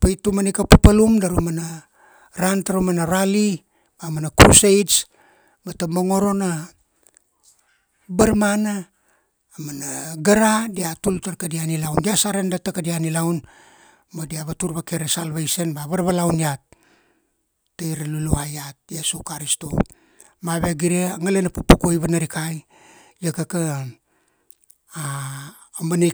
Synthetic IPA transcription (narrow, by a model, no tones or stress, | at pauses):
pajtumanikapapalumdaɾumana | ɾantaɾumanaɾali | bamanakuɾusejs | batamoŋo̞ɾo̞na | baɾmanaː | manaɡaɾadiatultaɾkadianilawndiasaɾendatakadianilawn | madiaβatuɾβakeɾesalβajsenbaβaɾβalawniat̚ | ajɾaluluhajat̚jesukaɾisto̞̰ | maβe̞ɡiɾeŋalenapupukojβanaɾikaj | jekaka | aː | mana